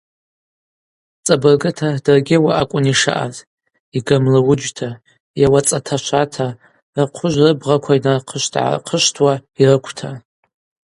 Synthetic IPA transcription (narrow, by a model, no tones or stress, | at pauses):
t͡sʼabɨrɡɨtʰadɨrɡʲɪwaʔakʷʼʊniʂa̰ʔa̰z | iɡamlawʊd͡ʒtʰa | jawat͡sʼatʰaʃʷʰatʰa | raqʷʰʊʒʷrɨbʁakʷʰainarqʰəʃtʰʼʕa̰qʰəʃtʰwairɨkʷʰtʰa